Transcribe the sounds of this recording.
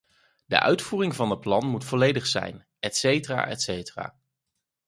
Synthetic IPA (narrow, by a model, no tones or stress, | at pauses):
də̰ʔœ̰ɥtfuːrɪŋvɑnət̚plɑnmutfɔlejdəχsɛ̰jn | ɛtsejtəra̰ːʔɛ̰tsejtəra̰ː